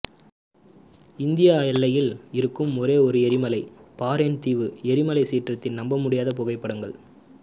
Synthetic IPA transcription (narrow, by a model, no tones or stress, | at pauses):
ɪnd̪ɪjaɛlːɐjɪlɪɾɯkːɯmɔɾeːɔɾɯɛɾɪmɐlɐɪpaːɾent̪iːʋɯɛɾɪmɐlɐɪsiːʈrɐt̪ːɪnnɐmbɐmʊɽɪjaːðɐpɔɣɐɪpːɐɽɐŋɡɐɭ